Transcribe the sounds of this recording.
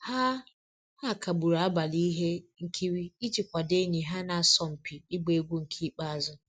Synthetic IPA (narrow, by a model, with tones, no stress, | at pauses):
ha˦ | ha˦˨ka˨bu˨ɾa˨a˦ba˨li˦ɦe˦ŋ̩˨kʰi˦ɾi˦i˦t͡ʃi˨kʷa˨de˦ɲi˨ɦa˦na˨a˨sɔ˦˨m̩˨pi˨i˦ɡ͡be˨˦ɡʷu˦ŋ̩˨kʰi˦k͡pa˦a˨zʊ˦